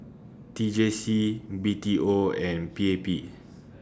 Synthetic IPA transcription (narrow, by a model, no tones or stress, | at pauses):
tid͡ʒesibitiʔoɛ̃npiepi